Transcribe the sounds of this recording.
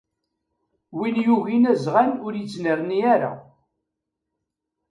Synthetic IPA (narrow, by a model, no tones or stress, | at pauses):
winjuʝinæzʁænʊɾjət͡sːnəɾˤniæɾa̰